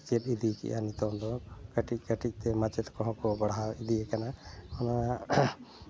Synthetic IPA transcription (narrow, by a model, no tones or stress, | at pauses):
t͡ʃɛt̪id̪ikḭʔanit̪ɔnd̪ɔkəʈik̚kəʈik̚t̪ɛmat͡ʃɛt̪kɔɦɔ̃kɔbɐɽ̤aid̪iɛkanaɔna